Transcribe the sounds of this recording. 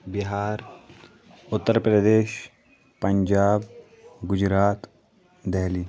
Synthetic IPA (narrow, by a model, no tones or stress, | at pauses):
biɦaːɾ | ʊt̪ːəɾpɾəd̪eːʃ | pəɲd͡ʒaːb | ɡʊd͡ʒɾaːt̪ | d̪ɛɦliː